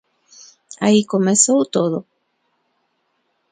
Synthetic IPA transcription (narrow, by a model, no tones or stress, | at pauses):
aikomesowt̪oðo